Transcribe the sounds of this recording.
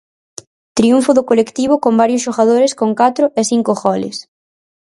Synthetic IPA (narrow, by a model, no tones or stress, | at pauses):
t̪ɾiuɱfʊðʊkolekt̪iβ̞ʊkombaɾjʊsʃoɣaðoɾɪskoŋkat̪ɾʊʔeθiŋkoɣɔlɪ̰s